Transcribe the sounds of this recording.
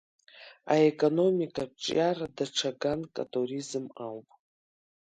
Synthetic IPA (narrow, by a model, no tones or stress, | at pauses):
aekʼono̞mikʼabʈ͡ʂʼjaradaʈ͡ʂʰaɡankʼa̰tʼuɾizɨmawpʼ